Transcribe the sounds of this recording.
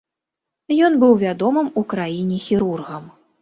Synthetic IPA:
jɔn̪bɨwvʲad̪ɔmɨmukɾajinʲɛxʲiɾurɣɐm

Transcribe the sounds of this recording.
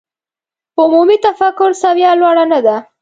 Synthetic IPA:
ʊmumit̪afakʊɾsawjɑlwɑɽanad̪a

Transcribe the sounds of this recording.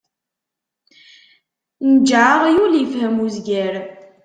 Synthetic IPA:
nəd͡ʒʕaʁjuljəfhəmuzɡæɾ

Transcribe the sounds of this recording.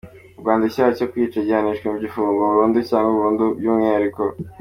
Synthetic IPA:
ubɡwaːndicaːacokwiːt͡ʃaɟihaniʃkemuɟifuːŋɡoβuɾuːnducaːŋɡuβuːndubjumŋiaɾiko

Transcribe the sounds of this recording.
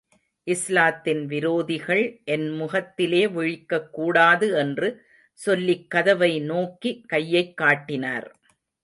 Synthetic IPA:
ʔɪslaːt̪ːɪnʋɪɾoːðɪɣɐɭʔɛnmʊɣɐt̪ːɪleːʋɪɻɪkːɐkːuːɽaːðɯɛndrɯ | sɔlːɪkːɐðɐʋɐɪnoːkikɐjːɐɪkːaːʈːɪna̰ːɾ

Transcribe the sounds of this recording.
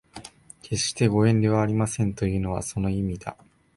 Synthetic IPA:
kʰe̞ɕt̪e̞ɡo̞ẽ̞nd̪e̞βaːɾʲimasẽ̞nt̪o̞jɯ̟ːno̞β̞a̰so̞no̞imʲid̪a̰

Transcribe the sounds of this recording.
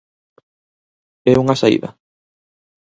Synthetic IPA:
ɛuŋasaḭðɐ̰

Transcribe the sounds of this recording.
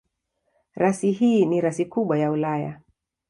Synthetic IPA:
ɾasiɦiːniɾasikuɓwajaulaja̰

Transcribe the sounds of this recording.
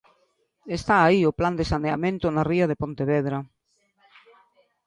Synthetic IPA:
est̪aːiopland̪esaneamẽnt̪ʊnariaðepõnt̪eβeðɾa

